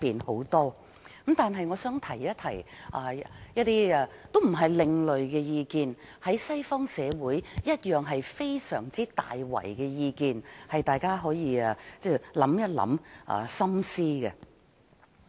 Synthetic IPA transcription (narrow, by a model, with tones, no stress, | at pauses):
piː˨nho˨˥wt̪ɔː˥ | kɐ˨˥mt̪aː˨nɦɐ˨jŋɔː˨˧sœː˨˥ŋt̪ʰɐ˨˩jjɐ˥t̚t̪ʰɐ˨˩jʔaː˨˧jɐ˥t̚t̪iː˥ɛ˧t̪o˥wm̩˨˩ɦɐ˨jlɪ˨ŋlɵ˨ɥɡɛ˧jiː˧kiː˨˧nhɐ˨˥jsɐ˥jfɔː˥ŋsɛː˨˧wuː˨˥jːɐ˥t̚jœː˨ŋɦɐ˨jfe˥jsœ̰ː˨˩ŋt͡siː˥t̪a̰ː˨jwɐ̰˨˩jkɛ˧jiː˧kiː˨nhɐ˨jt̪aː˨jkaː˥ɦɔː˨˥jiː˧aː˧t͡sɛː˥˩lɐ˨˥mjɐ˥t̚lɐ̰˨˥mʔɐ̰˨˧˩sɐ˥msiː˥ɡɛ˧